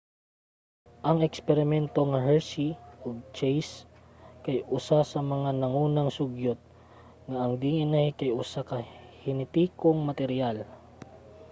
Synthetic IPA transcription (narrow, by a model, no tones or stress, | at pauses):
ʔɐŋɛkspɛɾɪmɛnt̪oŋɐɦɛɹsiʔoɡ̚t͡ʃɛjs | kɐjʔʊsasɐmɐŋanɐŋuːnɐŋsʊɡjot̪̚ | ŋaɐŋd̪iŋɪnajkɐjʔʊsakɐhɪnɪt̪iːkoŋmɐt̪ɛɾjal